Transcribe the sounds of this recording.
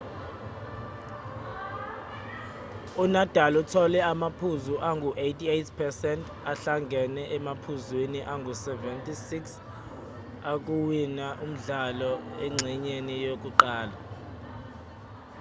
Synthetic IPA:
unad̥ʱalɔutʰɔlɛamapʰuzuʔaŋɡʱuʔejtʰʼietʰpʰɛsɛntʰʼ | aɬaŋɡʱɛnɛʔɛmapʰuzwiniʔaŋɡʱusɛvɛntʼisiks | ak̬ʼuwinaʔum̩ɮalɔɛŋ͡ǀʱiɲenijok̬ʼuǃaːla̰

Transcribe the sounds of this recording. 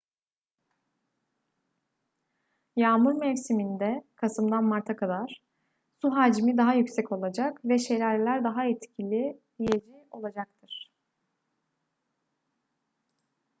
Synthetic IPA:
jaːmuɾmɛfsimind̪ɛkʰasɯmd̪anmaɾt̪ʰakʰad̪aɾ̥ | suɦaːd͡ʒmid̪aɦajycsɛco̞lˠad͡ʒakvɛʃeɾaɾlʲæɾd̪aɦaɛt̪cʰilʲi | ijed͡ʒio̞lˠad͡ʒak̚t̪ʰɯɾ̥

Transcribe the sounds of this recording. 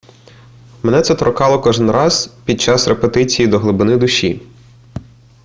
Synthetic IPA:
menɛt̪sɛt̪ɾɔkɑlˠɔkɔʒɪnɾɑz̥pʲid̪̚t͡ʃɑsrepet̪ɪt͡sʲijid̪ɔɦlˠɪbɪnɪd̪ʊʃi

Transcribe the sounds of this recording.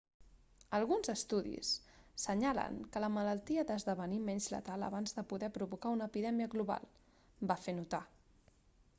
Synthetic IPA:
əlˠɣunzəst̪uðḭsːəɲalə̰ŋkələmələlˠt̪iəd̪əzðəβənimɛɲzlə̰t̪alˠə̰βanzðəpuðɛpɾuβukaunəːpiðɛmiəɣluβa̰lˠ | bafenut̪a

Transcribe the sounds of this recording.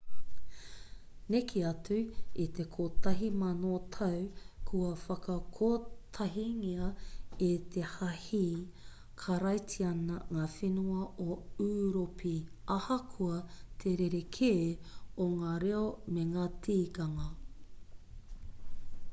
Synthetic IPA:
nekʰiɐtʉit̪ekʰotɐɦimɐnoːtʰɐwkʰuɐfɐkɐkʰoːt̪ʰɐɦiŋiɐet̪ʰe̞hɐhi | kʰɐɾɐjtʰiɐnɐŋaːfenuɐʔoʉːɾopʰiɐhɐkʰuɐt̪ʰeɾeɾekʰeːoŋaːɾeomeŋaːtʰiːkɐŋɐ

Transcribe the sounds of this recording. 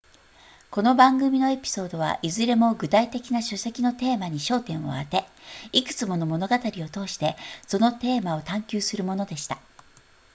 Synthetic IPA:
ko̞no̞bãŋɡɯ̟mʲino̞e̞pʲi̥so̞ːd̪o̞β̞a̰ʔizɨɾe̞mo̞ɡɯ̟t̪ait̪e̞kʲinaɕose̞kʲino̞t̪e̞ːmaɲ̟iɕo̞ːt̪ẽ̞ɰ̃o̞̰at̪e̞ikɯ̟̥t͡sɨmo̞no̞mo̞no̞ɡat̪aɾʲio̞t̪o̞ːɕi̥t̪e̞so̞no̞t̪e̞ːmao̞t̪ãŋkʲɨːsɨɾɯ̟mo̞no̞d̪e̞ɕi̥t̪a

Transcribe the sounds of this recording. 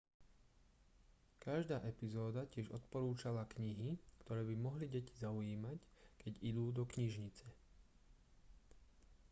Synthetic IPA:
kaʒd̪aːʔɛpizɔːd̪acɪɛʒɔt̪̚pɔɾuːt͡ʃalakɲiɦikt̪ɔɾɛːbimɔɦliɟɛci̥zaujiːmackɛɟid̪uːd̪ɔkɲiʒɲit͡sɛ

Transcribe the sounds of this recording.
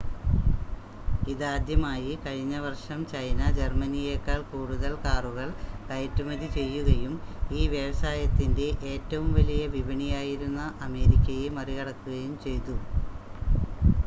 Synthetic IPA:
iðaːd̪jɐmaːjikɐɻiɲːɐʋɐrʂɐmt͡ɕɐjnɐd͡ʑermɐnijeːkːaːɭkuːɽuðɐlkaːruɣɐɭkɐjɐtːumɐðit͡ɕe̞jːuɣɐjumiːʋjɐʋɐsaːjɐt̪ːinde̞ʔeːtːɐʋumʋɐlijɐʋibʱɐɳijaːjiɾunːɐʔɐme̞ːɾikʲːɐjemɐriɣɐɽɐkːuɣɐjumt͡ɕe̞jt̪u

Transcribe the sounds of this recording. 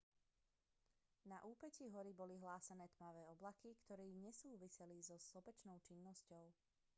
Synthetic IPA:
naʔuːpɛciːɦɔɾibɔliɦlaːsanɛːt̪maʋɛːɔblakikt̪ɔɾiːɲɛsuːʋisɛlizɔslɔpɛt͡ʃnɔʊt͡ʃinːɔscɔʊ

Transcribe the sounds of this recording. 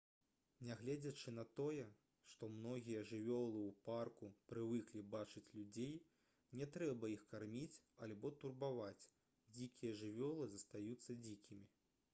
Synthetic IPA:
nʲɛɣlʲɛd͡zʲɐt͡ʂɨnɐt̪ɔjɛ | ʂt̪ɔmnɔɣʲijɐʐɨvʲɔlˠɨwparkupɾɨvɨklʲibat͡ʂɨt͡sʲlʲud͡zʲej | nʲɛt̪ɾɛbɐixkarmʲit͡sʲ | alʲbɔt̪urbavat͡sʲ | d͡zʲikʲijɐʐɨvʲɔlˠɨzɐst̪ajut̪sːɐd͡zʲikʲimʲi

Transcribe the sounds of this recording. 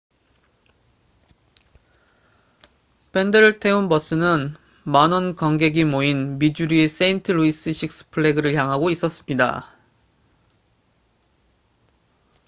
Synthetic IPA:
pʰe̞ndɯɾtʰe̞unbʌs͈ɯnɯn | manʌnkʌŋɡe̞ɡimoinmid͡ʑuɾies͈e̞intʰɯɾuis͈ɯɕʰik̚s͈ʰɯ̥pʰɯɭːeɡɯɾɯɭçjaŋɦaɡois͈ʌs͈ɯ̥mɲida̰

